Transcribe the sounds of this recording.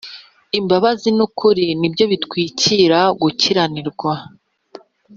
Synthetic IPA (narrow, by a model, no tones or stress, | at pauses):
imbaβazinukʰuɾinibjo̞βitkwiːciɾaɡuciɾaniɾɡwa